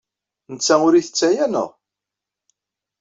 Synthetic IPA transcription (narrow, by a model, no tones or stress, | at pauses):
nət͡sːæʊɾiθət͡sːæjænə̰ʁ